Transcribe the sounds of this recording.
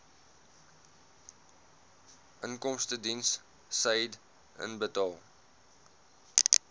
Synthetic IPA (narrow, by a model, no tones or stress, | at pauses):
ʔənkɔmstədinsː | əjd | ə̰nbətɑːlˠ